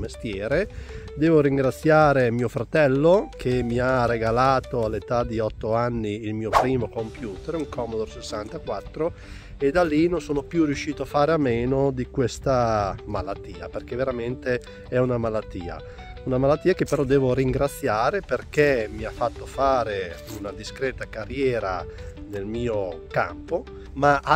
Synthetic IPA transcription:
mest̪jɛːɾe | d̪ɛːvoɾiŋɡɾat̪sːjaːɾemiːofɾat̪ɛlːokʰemiareɡalaːt̪oalːet̪ad̪iɔt̪ːoanːiːlmiːopɾiːmokompjuːt̪eɾuŋkʰɔmod̪orsesːant̪akwat̪ːɾo | ed̪alːinõnsoːnopjurːiuʃːiːt̪oafaːɾeameːnod̪ikwest̪amalat̪ːiːa̰perk̟eveɾament̪e | ɛunamalat̪ːḭːa̰ | unamalat̪ːiːakepːeɾɔd̪ɛːvoɾiŋɡɾat̪sːjaːɾeperk̟emiafːat̪ːofaːɾe | unad̪iskɾɛːt̪akarjɛːɾa̰nelmiːoka̰mpo | maʔa

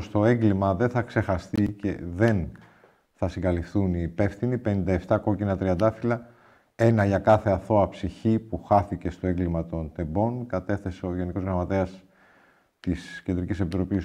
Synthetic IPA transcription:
st̪o̞eŋɡlimɐðe̞nθɐkse̞xɐst̪ice̞̰ðe̞n | θɐsiŋɡɐlifθuniːpe̞fθinipe̞nind̪ɐeft̪ɐko̞cinɐt̪ɾiɐnd̪ɐfilɐ | e̞nɐʝɐkɐθe̞ɐθo̞ɐpsiçipuxɐθice̞st̪oe̞ŋɡlimɐt̪o̞nt̪e̞bo̞nkɐt̪e̞θe̞seo̞ʝe̞niko̞zɣɾɐmɐt̪e̞ɐs | t̪isce̞nd̪ɾicisepit̪ɾo̞pis

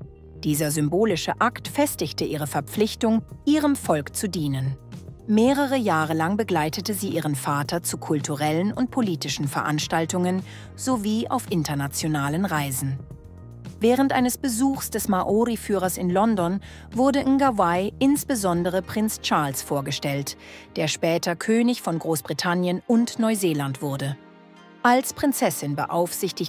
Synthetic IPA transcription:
d̥iːzɐzʏmboːlɪʃəʔaktfɛstɪçtəʔiːʁəfɛɐp͡flɪçtʊŋʔiːʁəmfɔlkt͡sudiːnənmeːʁəʁəjaːʁəlaŋbəɡlaɪtətəziːʔiːʁənfaːtɐt͡sukʰʊltʰuʁɛlənʊnt̚pʰoliːtɪʃn̩fɛɐʔanʃtaltʊŋən | z̥oviːʔa̰ʊfʔɪntɐnat͡sjonaːlənʁaɪzn̩ | vɛːʁ̞əntʔa̰ɪnəsb̥əzuːxsd̥ɛsmaʔoʁifyːʁɐsɪnlɔndɔn | vʊɐdəʔɪnɡavaɪʔɪnsb̥əzɔndəʁ̞əpʁ̥ɪnt͡st͡ʃaɐlsfoːɐɡəʃtɛltd̥eːɐʃpɛːtʰɐkʰøːnɪçfɔnɡʁoːsb̥ʁitʰanjənʔʊntnɔʏzeːlantv̥ʊɐdə | ʔalspʁ̥ɪnt͡sɛsɪnbə̰ʔaʊfz̥ɪçtɪç

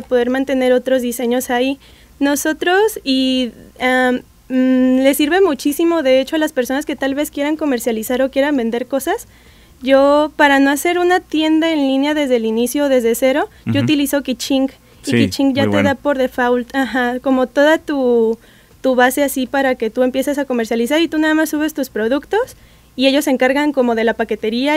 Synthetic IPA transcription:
apoðe̞ɾmãnt̪e̞ne̞ɾo̞t̪ɾo̞zðise̞ɲo̞sai | no̞so̞t̪ɾo̞si | a | le̞siɾβe̞mut͡ʃisimo̞ðe̞e̞t͡ʃo̞alaspe̞ɾso̞naske̞t̪alβe̞skje̞ɾaŋko̞me̞ɾsjalisaɾo̞kje̞ɾambe̞nd̪e̞ɾko̞sas | ɟ͡ʝo̞paɾano̞ase̞ɾunat̪je̞nd̪aenlinjaðe̞zðelinisjoːðe̞zðese̞ɾo̞ʝout̪iliso̞kit͡ʃiŋɡ | ikit͡ʃiŋɡʝaeðapo̞ɾðefawlt̪axako̞mo̞t̪o̞ðat̪u | t̪uβase̞asipaɾake̞t̪ue̞mpje̞sesako̞me̞ɾsjalis̬aɾit̪unaðamasːuβ̞e̞st̪uspɾo̞ð̞ukt̪o̞s | ie̞ʝo̞se̞ŋkaɾɣaŋko̞mo̞ð̞e̞lapake̞t̪e̞ɾia

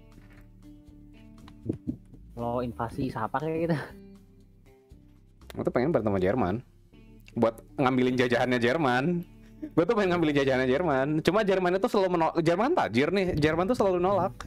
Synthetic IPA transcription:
loinfasisapakajaɡit̪u | ḭt̪upeŋɪnpaɾnt̪amad͡ʒɛrma̰n | buat̪̚ŋambilɪnd͡ʒad͡ʒaɦanɲad͡ʒɛrmanbuat̪ːupeŋɪnŋambilɪnd͡ʒad͡ʒaɦanɲad͡ʒɛrmant͡ʃumad͡ʒɛrmanɲat̪usəlalumənod͡ʒərmant̪a̰d͡ʒɪrnɪhd͡ʒɛrmant̪usəlalunolak̚

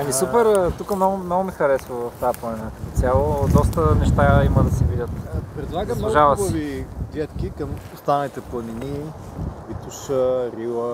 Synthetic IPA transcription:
ɐmisupɛɾt̪ukəmnɔɡʊmnɔɡʊmixɐɾɛsvəvɐft̪aplˠɐnʲɛnak̪ət̪ot̪sʲjalˠod̪ɔs̬t̪ənɛʃt̪aiməd̪ɐsɛvid̪ʲət̪pɾɛd̪lˠaɡənuʒavɐsoɛvid̪ɛt̪kʲikɐmʊst̪anɐlʲit̪ɛplˠɐnini | vit̪uʃəɾilˠə

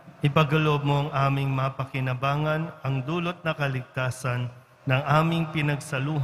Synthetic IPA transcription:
ʔɪpɐɡɐloʔob̚moɐŋʔaːmɪŋmɐɐpɐkɪnɐbaːŋɐnʔɐŋd̪uːlot̪̚nɐkɐlɪɡ̚t̪aːsɐnː | ɐŋʔaːmɪŋpɪnɐɡsɐluːɦ

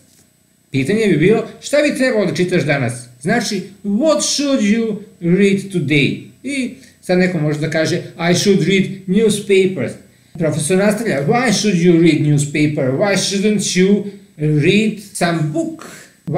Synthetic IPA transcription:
pit̪ɐɲɛbibilˠoʃt̪abit̪ɾɛbɐlod̪ɐt͡ʃit̪ɐʃd̪anasznat͡ʃiwɔt̪ʃud̪juɾid̪t̪ud̪eji | sad̪nɛkomɔʒed̪ɐkaʒɛajʃud̪ɾid̪njuspejpɛɾs | pɾofesoɾnast̪ɐʎʲawajʃud̪juɾid̪njuspejpɛɾwajʃud̪ə̃nt̪ju | ɾid̪sãmbuk

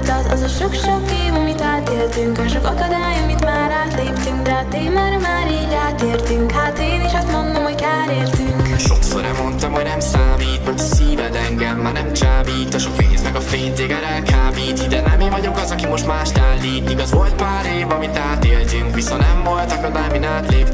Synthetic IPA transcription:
d̪ɛt̪ɒzɒʃo̞kʃo̞keːvɒmit̪aːt̪eːlt̪yŋkɒʃo̞kɒkɒd̪aːjɒmit̪maːɾaːt̪leːpt̪yŋkd̪ɛɐt̪eːmaːɾmaːɾiːɟaːt̪eːrt̪yŋkhaːt̪eːniːʃɒst̪mo̞nd̪o̞mho̞ɟkaːɾeːrt̪yŋkʃo̞kso̰ɾɛmo̞nt̪ɒmho̞ɟnɛmsaːmiːt̪osiːvɛd̪ɛŋɡɛmːaːnɛmt͡ʃaːbiːt̪ːɒʃokvḛːzmɛɡɒfeːnzeːɡɛɾɛlkaːbiːt̪id̪ɛnɛmeːvɒɟo̞kɒzɒkimo̞ʃt̪maːʃt̪aːlːiːt̪ːiɡɒzvo̞lt̪̚paːɾeːvɒmit̪aːt̪eːlt̪yŋkʋisonnɛɱvo̞lt̪ɒkɒd̪aːjminaːt̪leːp

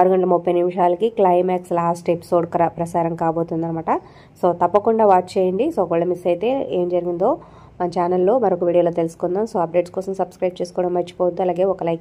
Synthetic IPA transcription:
aːɾuɡɐɳɖɐlɐmupːɐjnimʂaːlɐkiklɐjmaːkslaːsʈepi̥so̞ːɖkɾɐpɾɐsaːɾɐmkaːboːt̪und̪ɐnɐmaːʈɐ | so̞ːt̪ɐpːɐkuɳɖaːʋaːʈ̚t͡ʃeːjɐɳɖisoːkʋɐɭlɐmisɐjt̪e̞ːeːmd͡ʒɐɾiɡind̪o̞ː | mɐnɐt͡ʃaːnɐlːo̞ːmɐɾokuʋiːɽioːloːt̪elusu̥kund̪aːmso̞ːɐp̚ɖe̞ːʈskɔːsɐmsɐbskɾɐjb̚t͡ʃe̞ːsu̥kɔːɽɐmːɐt͡ʃːi̥pɔːud̪iɐlaːɡe̞ːɔkɐlɐjk

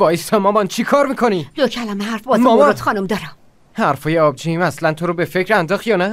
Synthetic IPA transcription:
vɒːjst̪ʰɒmɒmɒnt͡ʃʰikʰɒːɾmikʰo̞nilocʰælæmeɦæɾfbɒːzɒmɒot̪xɒːnumd̪ɒɾam | hæɾfɒːjeɒb̚d͡ʒimæslænt̪ʰoɾobe̞fe̞cʰɾænd̪ɒːxijɒnæ

